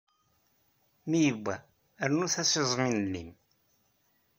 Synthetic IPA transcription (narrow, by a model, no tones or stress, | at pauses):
mijəbʷːæ | ɾnuθæsizˤminnːim